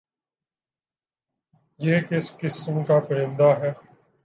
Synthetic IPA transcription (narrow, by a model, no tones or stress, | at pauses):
jeːkɪskɪsmkaːpəɾɪ̃nd̪aːɦɛː